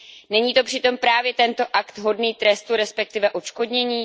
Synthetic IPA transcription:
nɛɲiːt̪o̞pr̥ɪt̪o̞mpɾaːvjɛt̪ɛnt̪o̞ʔakt̪ɦo̞dniːt̪ɾɛst̪uɾɛspɛk̚t̪ɪvɛʔot͡ʃko̞dɲɛɲiː

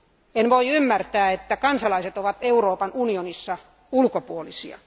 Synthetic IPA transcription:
enʋoiymːært̪æːet̪ːækɑnsɑlɑiset̪oʋɑt̪euroːpɑnunionisːɑ | ulkopuolisḭɑ̰

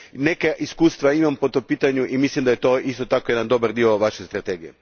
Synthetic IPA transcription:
ne̞keʔiskuːst̪ʋaimampot̪ompiːt̪aɲuʔimislimd̪ajet̪o̞ist̪o̞t̪akojed̪and̪o̞baɾd̪io̞ʋaʃest̪ɾat̪eɡije

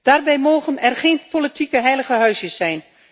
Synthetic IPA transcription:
d̥arbɛjmoːɣənɛrxeːnpolitʰikəɦɛjləɣəɦœɥsjəsːɛjn

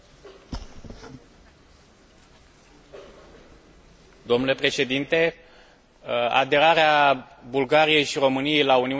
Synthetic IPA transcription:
d̪o̞mnule̞pɾe̞ʃe̞d̪int̪e̞ | a̰d̪e̞ɾaɾea | bulɡaɾije̞jʃiɾo̞mɨnije̞jlauniu

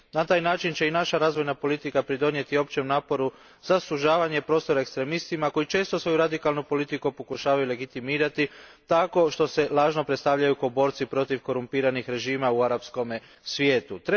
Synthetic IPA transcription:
nat̪aːjnaːt͡ʃint͡ʃe̞inaʃaɾaːzʋo̞jnapo̞lit̪ikapɾid̪o̞nje̞t̪io̞pt͡ʃe̞mnaːpo̞ɾu | z̥asuʒaːʋaɲe̞pɾo̞ːst̪o̞ɾaekst̪ɾe̞mist̪imako̞it͡ʃe̞ːst̪o̞sʋo̞juɾad̪ikalˠnupo̞lit̪ikupokuʃaːʋajule̞ɡit̪imiːɾat̪it̪ako̞ʃt̪o̞se̞lˠaːʒno̞pɾet̪st̪aʋʎajukobo̞ɾt̪sipɾo̞t̪iʋko̞ɾumpiːɾanixɾe̞ʒiːmauaɾapsko̞me | sʋʲje̞ːt̪ut̪ɾ

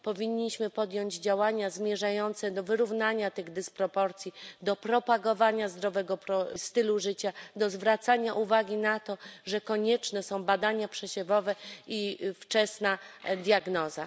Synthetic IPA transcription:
pɔvʲiɲːiɕmɘpɔd̪jɔɲd͡ʑd͡ʑawaɲazmʲjɛʐajɔnt̪sɛd̪ɔvɘɾuvnaɲat̪ɘɣd̪ɘspɾɔpɔɾt̪sʲjid̪ɔpɾɔpaɡɔvaɲazd̪ɾɔvɛɡɔpɾɔst̪ɘluʐɘt͡ɕad̪ɔzvɾat̪saɲaʔuvaɡʲinat̪ɔʐɛkɔɲɛt͡ʂnɛsɔ̃w̃bad̪aɲapʂɛɕɛvɔvɛift͡ʂɛsnad̪ʲjaɡnɔza̰

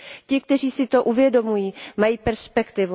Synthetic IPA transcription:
cɪk̚t̪ɛr̝iːsɪt̪o̞ʔuvjɛdo̞mujiːmajiːpɛɾspɛkt̪ɪvu

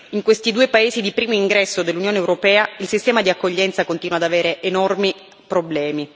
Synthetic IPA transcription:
iŋkwest̪id̪uːepaeːzid̪ipɾiːmoiŋɡɾɛsːod̪elːunjoːneːwɾopɛːailsist̪ɛːmad̪iakːoʎːɛnt̪sakont̪inwad̪aveːɾeʔːnɔrmi | pɾoblɛːmi

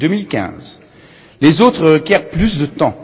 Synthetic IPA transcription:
d̪ømilkʲɛ̰̃z | lezot̪χəʁəkʲɛʁplys̬d̪ət̪ɑ̃

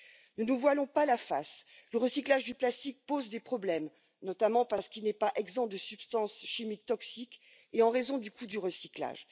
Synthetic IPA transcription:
nənuvwalɔ̃palafa̰sləʁəsiklaʒd̪yplast̪ik̚pozd̪epχɔblɛm | nɔt̪amɑ̃paʁsə̥kilnɛpaʔɛɡzɑ̃d̪əsypst̪ɑ̃sʃimik̚t̪ɔksik | eɑ̃ʁezɔ̃d̪ykʰud̪yʁəsikla̰ʒ

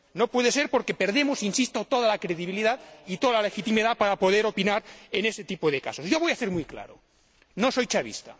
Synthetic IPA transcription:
nopweðese̞ɾpoɾkepe̞ɾðemosinsist̪ot̪oð̞alakɾeðiβ̞iliðaðit̪oðalalexit̪imiðapaɾapo̞ðeɾopinaɾeneset̪ipoð̞eka̰so̞zʝoβ̞o̞jaθeɾmujkla̰ɾo | noso̞jt͡ʃaβ̞ḭst̪a̰

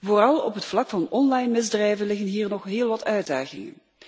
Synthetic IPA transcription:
voːrɑlˠɔ̰pɦətflɑkfɑnɔnlɑjnmɪzdrɛjvənlɪxənɦiːrnɔχɦɪːlˠʋɑtʰœɥda̰ːɣɪ̰ŋə̰n

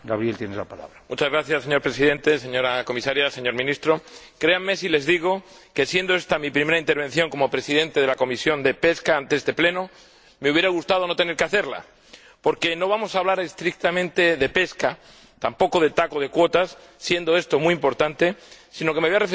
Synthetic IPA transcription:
ɡaβɾjelt̪jenezlapala̰βɾamut͡ʃazɣɾaθjasːe̞ɲo̞ɾpɾe̞siðẽ̞nt̪e̞se̞ɲo̞ɾako̞misaɾjase̞ɲo̞ɾmĩnist̪ɾo̞ | kɾe̞amːe̞sile̞zðiɣ̞o̞ | ke̞sje̞nd̪o̞e̞st̪amipɾime̞ɾaint̪eɾβ̞e̞n̟θjo̞ŋko̞mo̞pɾe̞siðe̞nt̪e̞ð̞e̞lako̞misjo̞nd̪e̞pe̞skaant̪eest̪e̞ple̞no̞ | me̞uβje̞ɾaɣ̞ust̪að̞o̞no̞t̪ene̞ɾkeaθe̞ɾla̰ | po̞ɾke̞no̞β̞amo̞saːβ̞laɾe̞st̪ɾik̚t̪amẽnt̪e̞ðe̞pe̞ska | t̪ampo̞ko̞ð̞e̞t̪ako̞ð̞e̞kwo̞t̪asːje̞nd̪o̞e̞st̪o̞muiimpo̞ɾt̪ant̪e̞sino̞kemeβojaref

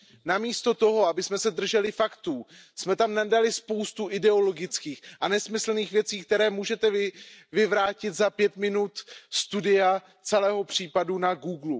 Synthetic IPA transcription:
namiːst̪o̞t̪o̞ɦo̞abɪsmɛsɛdr̩ʒɛlɪfakt̪uː | smɛt̪amnadalɪspo̞wst̪uʔɪdɛo̞lo̞ɡɪt͡skiːxʔanɛsmɪsl̩niːxvjɛt͡siːkt̪ɛɾɛːmuːʒɛt̪ɛvvɪvɾaːcɪt̪zapjɛt̪mɪnut̪st̪udɪa | t͡sɛlɛːɦo̞pr̝̥iːpadunaɡuːɡlu

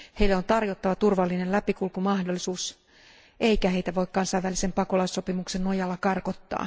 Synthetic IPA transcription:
he̞ilːeo̞nt̪ɑrjot̪ːɑʋɑt̪urʋɑlːinellæpikulkumɑhdolːˑisuːs | ʔeikæhejt̪æʋo̞ikkɑnsɑijʋælise̞mpɑko̞lɑisːo̞pimukse̞nːojɑlːɑkɑrko̞t̪ːɑ̰ː

